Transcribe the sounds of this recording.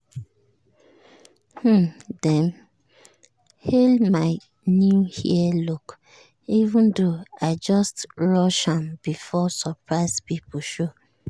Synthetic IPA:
h̩dɛ̃n | helmaɪ | nũhḭɛluk | ivũndoaɪd͡ʒɔstɹɔʃãmbifɔsəpɹaɪspip̩ʃo

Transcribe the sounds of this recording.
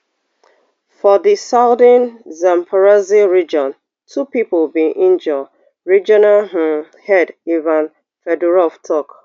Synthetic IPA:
fɔðisaʊdənzãmpʰaɹaziɹid͡ʒɔ̃n | tʰupipʊlbĩʔĩnd͡ʒɔ | ɹid͡ʒɔnaɦ̩ | hɛdivãn | fɛdɛɹɔftʰɔk

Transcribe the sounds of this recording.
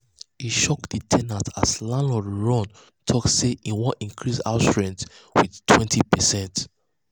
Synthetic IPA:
hiʃɔkditʰɛnatʰaslãnlɔdɹɔ̃n | tʰɔkseʔĩnwɔ̃nĩŋkʰɹisa̰stɹɛ̃ntwiðtʰwɛ̃ntʰipɛsɛ̃nt

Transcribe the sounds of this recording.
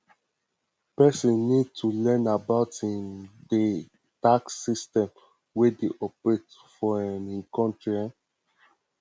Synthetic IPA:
pɛsɔ̃nnid̚tʰulɛ̃nabaʊtĩnde | taksistɛ̃m | wedeʔɔpɹetfɔãnĩnkɔ̃ntɹiãn

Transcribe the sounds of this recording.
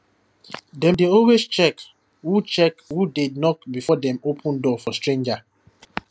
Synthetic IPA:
dɛ̃mdeɔlwest͡ʃɛk | wut͡ʃɛkwudednɔkbifɔdɛ̃mopʰũndɔfɔstɹẽnd͡ʒa

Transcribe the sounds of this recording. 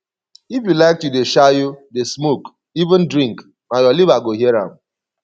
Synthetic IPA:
ifjulaɪk̚tjudeʃajudesmok | ivɪ̃n̩dɾĩŋk | najɔlibaɡoɦieɾã̰m̩

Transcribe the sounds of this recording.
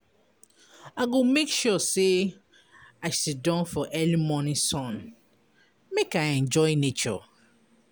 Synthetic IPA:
aɡomekʃɔse | aɪsidɔ̃nfɔʔɛlimɔnĩsɔ̃n | mekaɪɛ̃nd͡ʒɔjnet͡ʃɔ̰

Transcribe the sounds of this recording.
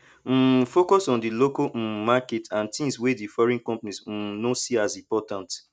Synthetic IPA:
m̩fokɔsɔ̃ndilokomaketãntĩmswedifɔɹĩnkɔ̃mpanis̩nosiazĩpɔtãnt

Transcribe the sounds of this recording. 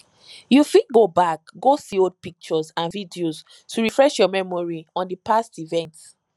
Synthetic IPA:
jufid̚ɡobak̚ɡosiod̚pik̚t͡ʃɔzãnvidioz | tuɹifɹɛʃjɔmɛmɔɹiɔ̃ndəpastivɛ̃nt

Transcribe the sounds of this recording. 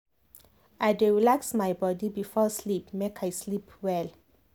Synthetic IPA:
ʔadɛlaksmajbɔdibifɔslipmekʰajslipwɛl

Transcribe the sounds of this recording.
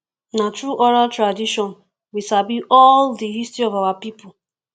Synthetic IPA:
natɾuʔɔɾaltɾadiʃɔ̃n | wisabiʔɔldiɦistɹiɔvawapipʊ

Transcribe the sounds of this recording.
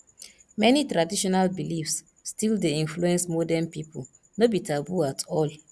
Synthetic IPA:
mɛnitɹadiʃɔnalbilifsː | tildeĩnfluɛ̃nsmɔdanpipul | nobitʰabuatʰɔl

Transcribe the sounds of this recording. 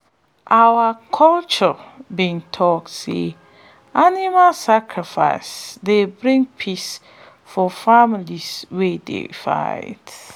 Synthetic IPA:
ʔawakʰɔlt͡ʃɔbĩntʰɔk̚tsḛ | animalsakʰɹifa̰ɪsdebɾĩŋpʰis | fɔfamiliswedḛfa̰ɪd

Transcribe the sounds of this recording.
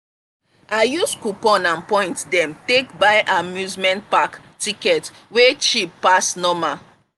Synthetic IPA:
ajuskupɔ̃nãnpɔ̃ɪ̃ntdɛ̃mtekbaɪʔamjuzmɛ̃nt̚pak | tikɛt | wet͡ʃipːasnɔma

